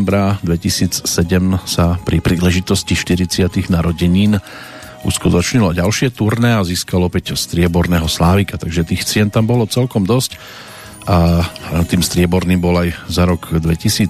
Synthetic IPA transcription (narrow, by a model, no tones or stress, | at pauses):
mbɾad̪ʋɛcisiːt͡ssɛɟɛmsapɾipɾiːlɛʒit̪ɔsciʃt̪iɾit͡sɪat̪iɣnaɾɔɟɛɲiːn | ʔṵskut̪ɔt͡ʃɲilɔɟalʃɪɛt̪uɾnɛaziːskalɔpɛcst̪ɾɪɛbɔɾnɛːɦɔslaːʋikat̪aɡʒɛt̪iːxt͡sɪɛnt̪ambɔlɔt͡sɛlkɔmd̪ɔsc | ʔat̪iːmst̪ɾɪɛbɔɾniːmbɔlajzaɾɔɡd̪ʋɛcisiː